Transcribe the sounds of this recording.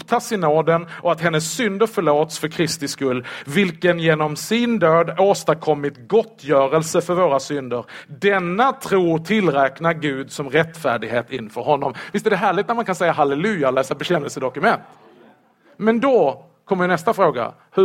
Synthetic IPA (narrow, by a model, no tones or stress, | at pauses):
pt̪ʰɑːsɪnoːd̪ənʔɔat̪ɦɛnːəsːʏnd̪əɾfœɭoːt̪sfœɾkʰɾɪst̪ɪskɵlːvɪlkənjeːnɔmsɪnd̪øːd̪oːst̪akʰɔmːɪt̪ɡɔt̪ːjœːɾəlsəfœɾvoːɾasʏnd̪əɾd̪ɛnːat̪ʰɾuːt̪ʰɪlːɾɛːknaɾɡʉ̟ːd̪sɔmɾɛt̪ːfæ̰ːɖɪɡɦeːt̪ɪnfœɾɦɔnːɔmvɪst̪ɛæɾɛɦæːɭɪɡt̪næɾmankʰansɛjːaɦalɛlʉ̟ːalɛːsabɛɕɛnːəlsəd̪ɔkɵmɛnt̪ | mɛnd̪ɔ | kʰɔmːjənɛst̪afɾoːɡa̰ | hɵ